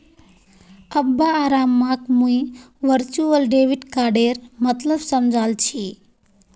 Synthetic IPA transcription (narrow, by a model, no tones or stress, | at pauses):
əbːaːɾamːakmuj | ʋəɾt͡ʃuəlɖeʋiʈkaɖeɾmət̪ləbsəmd͡ʒʱalt͡ʃʰi